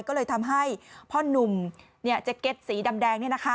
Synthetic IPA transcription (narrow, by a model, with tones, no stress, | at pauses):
jkɔː˥˩lɤː˧jt̪ʰa˧mɦa˥˩jpʰɔ˦˥˩nu˨˩m | ni˥˩ɐt͡ɕa˨˩ke˦˥t̪̚siː˩˦da˧mdɛː˧ŋni˥˩ɐna˦˥kʰa˦˥